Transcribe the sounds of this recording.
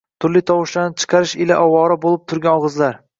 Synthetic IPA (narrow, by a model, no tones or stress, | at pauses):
t̪ʰʊɾlɪt̪ʰɒwɨʃlanɪt͡ʃʰɨ̥qʰɑɾɪʃɪlaʔɒwɒɾabolˠɪp̚t̪ʰʊɾɡʲanɒʁɨzlaɾ